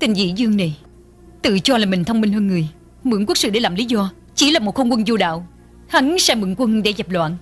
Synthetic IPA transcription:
t̪ï˨˩ŋ̟zḭ˧˥zɨ˧əŋna˨˩ | t̪ɨ̰˧˨t͡ɕɔ˧laː˨˩mï˨˩ŋ̟t̪ʰə˧wŋ͡mmi˧ŋ̟həː˧nŋɨ˨˩əj | mɨ̰˧˥ŋkwk̚sɨ̰˧˨ɗe˧˩˦laː˨˩mli˨˦zɔ˧ | t͡ɕi˧˦laː˨˩mo˨˩t̚xo˧wŋ͡mkwə˧nzo˧ɗa̰ː˧˨w | ha˨˦ŋsɛ˧mɨ̰˧˥əŋkwə˧nɗḛ˧˥˦za˨˩p̚lwa̰ː˧˨n

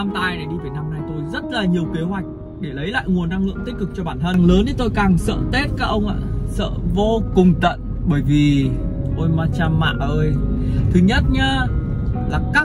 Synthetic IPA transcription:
a˧mt̪aː˧jna˨˩jɗi˧vəː˨˩jna˧mna˧jt̪o˧jzə˦˥t̚laː˨˩ɲi˨˩əwke˨˦ɦwa˨˩jk̟̚ | ɗe˧˩lə˨˦jla̰ː˧˨jŋu˨˩ənːa˧ŋlɨ̰˧˨əŋt̪ï̟˦˥kɨ˨˩k̚t͡ɕɔ˧ɓaː˧˩nt̪ʰə˧nləː˨˦nɗi˨˦t̪o˧jkaː˨˩ŋsə̰ː˧˨t̪e˦˥t̚kaː˦˥k̚ʔə˧wŋ͡mʔa̰ː˧˨sə̰ː˧˨vo˧kʊ˨˩ŋ͡mt̪ə̰˧˨n | ɓəː˧˩jvi˨˩ʔo˧jmaː˧t͡ɕaː˧mːa̰ː˧˨ʔəː˧jt̪ʰɨ˨˦ɲə˦˥t̚ɲa˧ | laː˨˩kaː˦˥

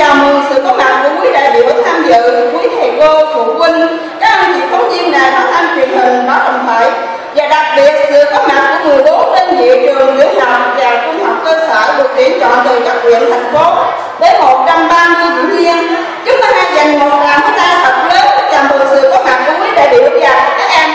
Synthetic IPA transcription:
aː˨˩mɨ˨˩əsɨ̰˧˨kə˧˦˥wmaː˨˩t̚ku˧˩əkwi˨˦ɗe˨˩ɓḭ˧˨ɓɨ˦˥t̚t̪ʰaː˧mzɨ̰˧˨ku˨˦əjt̪ʰe˨˩ko˧t̪ʰu˧˩kwï˧ŋ̟ | kaː˦˥k̚ʔə˧˩nt͡ɕḭ˧˨t̪ʰə˨˦wŋ͡mzi˧ənlaː˨˩kaː˨˦t̪ʰa˧nt͡ɕwḭ˨˩ənhï˨˩ŋ̟ɓaː˧˩wɗə˨˩wŋ͡mt̪ʰəː˧˨j | vaː˨˩ɗa˨˩k̚ɓi˨˩ət̚sɨ̰˧˨kə˦˥maː˨˩k̚kṵ˧˩əŋɨ˨˩əɗo˨˦ɗə˧n̟zḭ˧˥t͡ɕɨ˨˩əŋlɨ˧˨˥əwhaː˨˩˨t̚laː˨˩wt͡ɕʊ˧ŋ͡mhɔ˨˩wk͡p̚kəː˧səː˧˩ɗɨ˨˩ək̚t̪i˨˧˩ənt͡ɕɔ̰˧˨nt̪ʰəː˨˩jt͡ɕa˨˩k̚kwḭ˧˨ənt̪ʰa˨˩jŋ̟fo˨˦ | ɗ̪əː˨˦jmo˨˩t̚t͡ɕa˧mɓaː˧zɨ˧zʊ̰˧˥˦ŋ͡mzi˧ən | zʊ˦˥k͡p̚təː˨˦ha˧˩jzə˨˩ŋmo˨˩t̚laː˨˩mtʰə˨˦t̪aː˧sə˨˩t̚ləː˨˦ka˧˦˥la˨˩mt̪ʰɨ˨˩sɨ̰˧˨kə˧˦˥w̚maː˨˩k̚kṵ˧˩əkwi˨˦ɗe˧˨˩ɓḭ˧˨˩ɓə˦˥t̚zaː˨˦ka˧˦˩kːaː˨˦˥k̚ʔa˧n

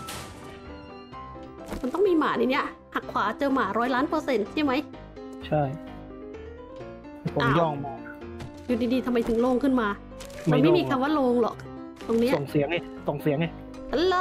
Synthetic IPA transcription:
kʰa˧nt̪ɔ˥˩ŋmiː˧maː˩niː˨˧˩ni˦˥ɐ | ha˨˩kʰwaː˩˦t͡ɕɤː˧maː˨˩ɾɔː˦˥jlaː˦˥npɤː˧se˧nt͡ɕʰa˥˩jma˦˥j | t͡ɕʰa˥˩j | a˧˩pʰo˨ʔa˦jɔː˥˩ŋmaː˧a˧˥ | ju˨˩diː˧diː˧t̪ʰa˧mːa˧jt̪ʰɯ˩˦ŋloː˧ŋkʰɯ˥˩nmaː˧ | ma˧nma˧˥˩miː˧kʰa˧mwaː˥˩loː˧ŋlɔ̰˨˩k̚ | t̪o˧ŋni˦˥o˨˩ŋsi˨˦əŋe˧˩ | so˨˩ŋsi˨˩˦əŋe˧˩ | pʰaː˨˦˧

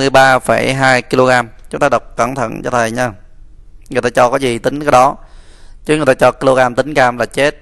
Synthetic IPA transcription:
ɨ˨˩əjɓaː˧fə˧˩jɦaː˧jki˧lo˧ɣaː˧mt͡ɕʊ˨˦ŋ͡mt̪aː˧ɗə˨˩wk͡p̚kaː˧˩mt̪ʰə̰˧˨nt͡ɕɔ̰˧˩t̪ʰə˨˩jɲa˧ | ŋɨ˨˩ət̪aː˧t͡ɕɔ˧kɔ˨˦zi˨˩t̪ï˨˦ŋ̟kaː˨˦ɗɔ˨˦t͡ɕɨ˨˦ŋɨ˨˩jt̪aː˧t͡ɕɔ˧ki˧lo˧ɣaː˧mt̪ï˨˦ŋ̟kaː˧mlaː˨˩t͡ɕe˦˥t̚

